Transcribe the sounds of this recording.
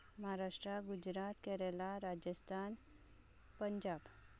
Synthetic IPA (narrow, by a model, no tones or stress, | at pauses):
məɦaɾaʂʈɾaɡud͡ʑɾat̪kɛɾɛlaɾad͡ʑəst̪ʰan | pəɲd͡ʑab